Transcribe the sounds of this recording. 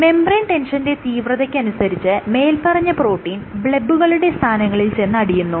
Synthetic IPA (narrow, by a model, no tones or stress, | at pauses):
me̞mbreɳʈe̞nʂɐnde̞t̪iːʋrɐðɐkʲːɨɐnusɐɾit͡ɕːɨme̞ːlpɐrɐɲːɐpro̞ːʈːiːnbɭebːuɣɐɭuɽe̞st̪ʰaːnɐŋːɐɭilt͡ɕe̞nːɐɽijunːu